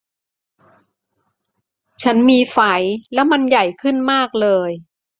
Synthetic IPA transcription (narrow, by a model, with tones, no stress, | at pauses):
t͡ɕʰa˦˥nmiː˧fa˩˦jlɛ˦˥wma˧nja˨˩jkʰɯ˥˩nmaː˥˩k̚lɤː˧j